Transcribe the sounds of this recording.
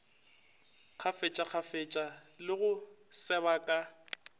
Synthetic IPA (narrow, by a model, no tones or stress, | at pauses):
k͡xʰafet͡ʃʼak͡xʰafet͡ʃʼalɪɣʊsɛβakʼa